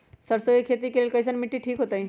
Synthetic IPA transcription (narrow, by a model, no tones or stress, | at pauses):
səɾsoekʰeːt̪̬ikeleːlkɐjs̬ənmɪʈːiʈʰiːkɦoːt̪aɦĩ